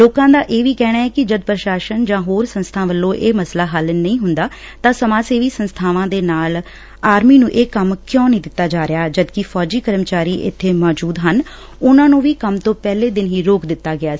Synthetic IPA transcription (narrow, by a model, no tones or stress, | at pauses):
loːkãːd̪aːʔeːʋiːkɛːɽaːɛːkɪd͡ʒəd̪pɾəʃaːʃənd͡ʒãːɦoːɾsənst̪ʰãːʋəlːõːʔeːməslaːɦəlnəĩːɦʊnd̪aː | t̪ãːsəmãːseːʋiːsənst̪ʰaːʋãːd̪eːnaːl | aːɾmiːnũːʔeːkəmkjõːnəĩːd̪ɪt̪ːaːd͡ʒaːɾɪjaːd͡ʒəd̪kɪfʰɔːd͡ʒiːkəɾmt͡ʃaːɾiːʔɪ̰t̪ʰːeːmɔːd͡ʒuːd̪ɦən | ʊnãːnũːʋiːkəmt̪õːpɛːleːd̪ɪnɦiːɾoːkd̪ɪt̪ːaːɡɪaː